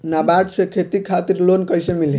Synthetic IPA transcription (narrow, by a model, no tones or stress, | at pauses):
nabaʈsekʰet̪ikʰat̪iɾlonkəjsemili